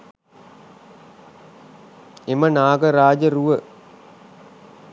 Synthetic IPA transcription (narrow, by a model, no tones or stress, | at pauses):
emənaːɡəɾaːd͡ʒəɾuʋə